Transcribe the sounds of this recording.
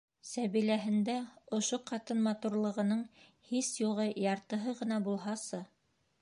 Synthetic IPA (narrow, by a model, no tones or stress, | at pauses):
sæβilæɦɘ̆nd̪æŏʃoqɑt̪ɤnmɑt̪uɾlˠɤ̆ʁɤ̆nɤɴhisjuʁɤjɑɾt̪ɤ̆ɦɤʁɤ̆nɑbulˠɦɑsɤ